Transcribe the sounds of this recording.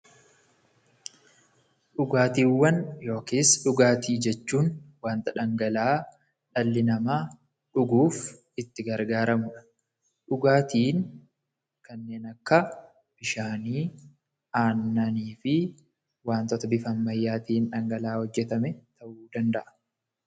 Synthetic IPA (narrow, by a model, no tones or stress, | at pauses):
ᶑʊɡaːt̪iːwːɐnjo̞ːkiːsᶑʊɡaːt̪iːd͡ʒɛt͡ʃːuːnwaːnt̪ɐᶑɐŋɡɐlaː | ᶑɐlːɪnɐmaː | ᶑʊɡuːf | ɪt̪ːɪɡɐɾɡaːɾɐmʊᶑ | ᶑʊɡaːt̪iːn | kɐnːe̞ːnɐkːɐ | b̥ɪʃaːniː | aːnːɐniːfɪ | waːnt̪ɔt̪ɐbɪfɐmːɐjːaːt̪iːnᶑɐŋɡɐlaːhɔd͡ʒːɛt̪ɐmɛt̪ɐʔuːd̪ɐnd̪ɐʔɐ̥